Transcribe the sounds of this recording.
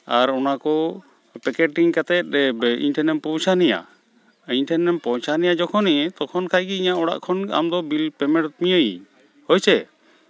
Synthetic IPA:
aɾɔnakɔ | pɛkɛʈiŋkat̪ɛt̪̚ɾɛḭɲʈʰɛnɛmpɔt͡ʃʰanɛja̰ | iɲʈʰɛnːɛmpɔt͡ʃʰanɛjad͡ʒɔkʰɔnɛt̪ɔkʰɔnkʰajɡiiɲaʔɔɽa̰ʔkʰɔna̰md̪ɔbilpɛmɛɽt̪mijəjḭ | hɔjt͡ʃɛ

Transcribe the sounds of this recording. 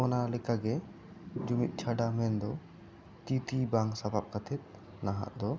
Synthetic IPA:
ɔnalɛkaɡɛ | d͡ʒumit̪̚ˀt͡ʃʰaɖamɛnd̪ɔ | t̪it̪ibaŋsabap̚kat̪ʰɛt̪̚ | naɦa̰ʔd̪ɔ

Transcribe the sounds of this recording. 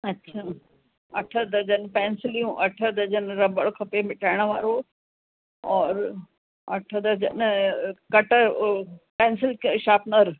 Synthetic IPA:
ɐtːɕʰaː | ɐʈʰəd̪ɐd͡ʑɐnpɛ̃ːnsɪlijũʔɐʈʰəd̪ɐd͡ʑɐnɾɐbəɭkʰɐpemɪʈʰaːɪɽ̃ʋaːɾo | ɔːɾ | ɐʈʰəd̪ɐd͡ʑɐ̰nkɐʈə | pɛ̃ːnsɪlkʃaːpnəɾ

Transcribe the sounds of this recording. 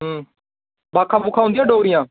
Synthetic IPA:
baːkʰãːbʊːkʰaːɦʊ̃nd̪ijãːɖoːɾɪjãː

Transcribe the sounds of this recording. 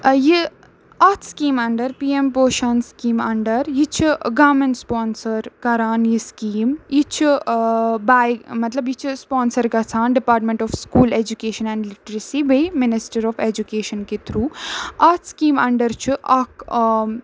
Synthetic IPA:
ji | ɐt̪ʰskiːmɐɳɖəɾpiːempoːʃɐnskiːmɐɳɖəɾjit͡ʃʰiɡɐːmẽɳʈspɔːnsəɾkɐɾaːnjiskiːmjit͡ʃʰi | baːjmɐt̪lɐbjit͡ʃʰispɔːnsəɾkɐt͡sʰãːnɖipaːɾʈmẽɳʈɔːfskuːleːd͡ʒukeːʃɐnɛ̃ːɳɖlɪʈɾəsibɐjmɪnɪsʈɐɾɔːfed͡ʒukeːʃɐnket̪ʰɾuːɐt̪skiːmɐɳɖəɾt͡ʃʰiʔɐk

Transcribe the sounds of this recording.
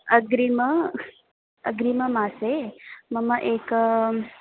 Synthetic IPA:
əɡɾimə | əɡɾiməmaːseməməʔeːk

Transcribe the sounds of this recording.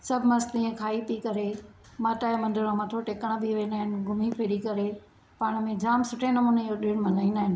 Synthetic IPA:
sɐbʱɪmɐslĩẽkʰaːipikɐɾe | maːʈaːemɐ̃nd̪ɪɽõmat̪ʰoʈeːkəɽ̃bʱiʋẽːnaːɦɪnɪ̆ɡʱʊmipʰeːɗikɐɾe | paːɽ̃mẽd͡ʑaːmsʊʈʰenɐmuːnejoɗɪɽ̃mɐnaːĩːnaːɦɪn̆

